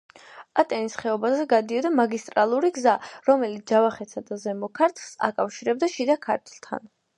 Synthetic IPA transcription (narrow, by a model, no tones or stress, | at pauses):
at̪ʼɛnisχɛɔbazɛɡad̪iɔd̪amaɡist̪ʼɾalˠuɾiɡzaɾɔmɛlit̪sd͡ʒavaχɛt̪sʰad̪azɛmɔkʰaɾt̪ʰlˠsa̰kʼafʃiɾɛb̚d̪aʃid̪akʰa̰ɾt̪ʰlˠt̪ʰa̰n